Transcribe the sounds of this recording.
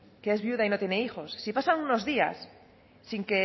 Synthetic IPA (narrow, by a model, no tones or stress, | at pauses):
keezβjuðainot̪jeneixosːipasaŋunozðia̰sː | iŋke